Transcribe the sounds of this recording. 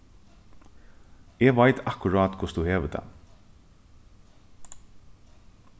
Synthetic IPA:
ɛʋajt̪ʰakʊɾaːt̪kʰʊ̥st̪uheːʋət̪ʰa̰

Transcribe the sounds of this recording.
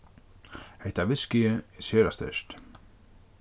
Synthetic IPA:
heht̪avɪscɪɪɛsjœːɾast̪ḛst̪

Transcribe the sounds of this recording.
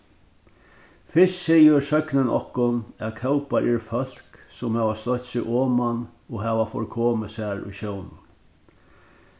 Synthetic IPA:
fɪssɛjɪsœknənɔ̰hkʊnæðkʰawpaɾʔɛɾfœl̥ksʊmhaːʋast̪œht̪sɪʔoːmanɔɦaːʋafɔ̰ɾkʰɔːməsæɹṵjɕjownʊn

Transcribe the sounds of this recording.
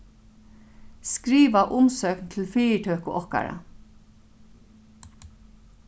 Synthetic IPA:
skɾiːʋaʔʊmsœːknt̪ʰɪlfiːʈ̪ʰœːkʊʔɔhka̰ɾa̰

